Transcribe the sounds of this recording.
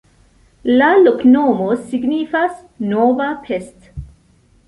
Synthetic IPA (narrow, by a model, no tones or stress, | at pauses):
laloknomosiɡnifas | novapʰest